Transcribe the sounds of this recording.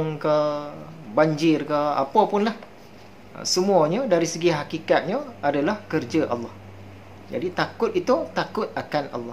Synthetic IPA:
ŋkə | baɲd͡ʒɪrkəa̰papʊnlah | ə̰səmũaɲadaɾisəɡiɦakikat̪̚ɲaadalahkərd͡ʒaʔɑ̰lːɔh | d͡ʒa̰dit̪akʊt̪̚it̪ut̪akʊt̪̚akanɑ̰lːɑ

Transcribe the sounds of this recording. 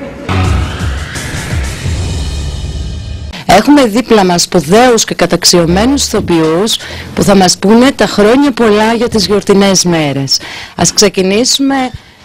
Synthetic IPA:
e̞xume̞ðiplɐmɐspoðe̞usce̞kɐt̪ɐksio̞me̞nusi̥θo̞piuspuθɐmɐspune̞t̪ɐxɾo̞ɲɐpo̞lɐʝɐt̪izʝo̞ɾt̪ine̞zme̞ɾe̞sɐskse̞cinisume̞

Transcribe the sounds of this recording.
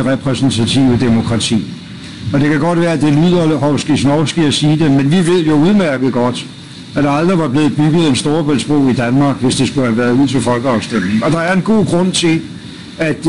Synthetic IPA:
ʁɛpʰʁɛsn̩t͡sʰæt͡sʰiʊəd̥e̝mo̝kʰʁɑ̈t͡sʰḭː | ɒ̽d̥e̝kʰæɡ̥ɒ̽d̥ʋæːɐæd̥e̝lyð̰ˠɐɦɒʊsɡ̥isnɒʊsɡ̥iæsiːd̥emenʋiʋe̝ð̞̰ˠjo̝uðˠmæɐɡ̥əð̩ˠɡ̥ɒ̽d̥ | æd̥ɑ̈ɑ̈ld̥ʁiʋɑ̈b̥le̝ːð̩ˠb̥yɡ̥ð̞̩ˠensd̥o̝ːɐb̥øl̰sb̥ʁɔ̰ʊ̰id̥ænmɑ̈ːɡ̥ʋe̝sd̥e̝sɡ̥ulhæʋæːɐð̩ˠuð̰ˠt͡sʰe̝lfɒ̽lɡ̥əɑ̈ʊsd̥em̰neŋ̩ɒ̽d̥ɑ̈æɐenɡ̥o̝̰ːɡ̥ʁɔ̽n̰t͡sʰe̝l | æd̥

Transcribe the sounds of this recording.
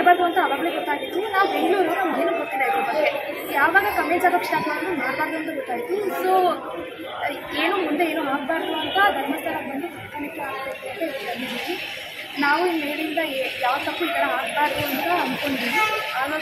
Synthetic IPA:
baːɾd̪uɐnt̪ɐːʋaːɡɐɭeɡɔt̪ːaːɡid̪ːunaːʋubeŋɡluːɾinɐmɡ̪eːnuɡot̪ːiːdeaʋɐɾɐbɐɡe | jaːʋaːɡɐkɐmeːd͡ʒaːkɐkʂʈaːpɐmaːɽd̪umaːʈt̪aːɾd̪uɐnt̪uɡɔt̪ːaːɡit̪ːisoː | eːnuːmund̪eeːnuːɦaːɡ̚baːɾd̪uɐnt̪ɐd̪ʱɐɾmɐst̪ʰɐɾɐbɐnd̪usɐkɐɳɐkːeaːɡbeːk̪ːuɐnt̪eɾd̪ɐɾmid͡ʒiɡi | naːʋuinːeːɽiind̪ɐjaːʋt̪ɐsukɐɽeaːɡ̚baːɾd̪uɐnt̪ɐɐnd̪koɳɖid̪iːneaːɐ

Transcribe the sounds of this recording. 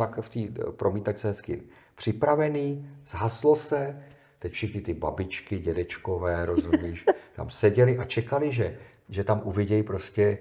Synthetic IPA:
akft̪iːpɾomiːt̪at͡ʃt͡sɛɦɛskɪ̰ | pr̝̥ɪpɾavɛniːz̥ɦaslosɛ | t̪ɛcfʃɛxnɪt̪ɪbabɪt͡ʃkɪɟɛdɛt͡ʃkovɛːɾozumɲiːʃt̪a̰msɛɟɛlɪʔat͡ʃɛkalɪʒɛ | ʒɛt̪amʔuvɪɟɛjpɾo̞scɛ

